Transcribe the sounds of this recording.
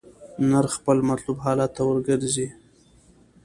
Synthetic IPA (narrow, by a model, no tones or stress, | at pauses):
naɾxpəlmat̪lubɦɑlɑt̪ːawəɾɡəɾzi